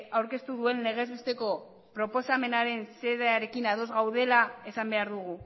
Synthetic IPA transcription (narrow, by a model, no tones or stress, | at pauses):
awɾke̞st̪uðue̞nːe̞ɣ̞e̞zβest̪e̞ko̞ | pɾo̞po̞same̞naɾe̞nse̞ðeaɾe̞kinaðo̞zɣawðe̞lae̞sambe̞aɾðuɣ̞u